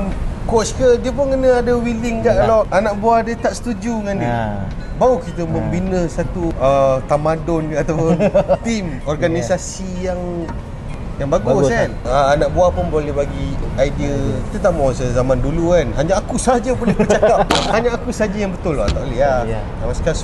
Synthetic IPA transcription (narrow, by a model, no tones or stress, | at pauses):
mkɔskədiəpʊnkənəadəwilɪŋɡaʔkalaanaʔbuadət̪aʔsə̥t̪ud͡ʒuŋandi | baukit̪əməmbinəsat̪uət̪amadɔnat̪apʊnt̪im | ɔrɡanisasijaŋ | jaŋbaɡʊsanəanaʔbuahpʊnbolɛhbaɡiajdiəki̥t̪ət̪aʔmasəzamãndulukanɦaɲaːkusad͡ʒəbolɛhpət͡ʃakap̚haɲaakusad͡ʒəjaŋbət̪ʊlɔt̪aʔlia | amaskas